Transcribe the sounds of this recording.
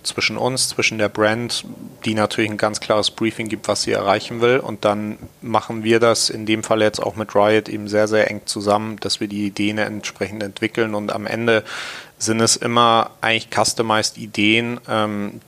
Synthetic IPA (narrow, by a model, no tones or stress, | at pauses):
t͡sv̥ɪʃn̩ʔʊ̰nst͡sv̥ɪʃn̩deːɐbʁɛntd̥iːnatʰyːɐlɪçn̩ɡant͡skʰl̥aːʁəsb̥ʁiːfɪŋɡiːp̚tv̥asz̥ḭːɛ̰ɐʁ̞aɪçn̩vɪlʊ̰nt̚d̥anmaχn̩viːɐdasɪndeːmfaləjɛt͡sta̰ʊxmɪtʁaɪətʔḛːbm̩zeːɐzeːɐʔɛ̰ŋt͡suzamənd̥asv̥iːɐdiːideːənɛ̰ntʃpʁ̥ɛçn̩tɛntv̥ɪkl̩nʊnta̰mʔɛ̰ndəzɪntɛsʔɪmɐʔaɪɡŋlɪçkʰastəmaɪstideːənʔɛːm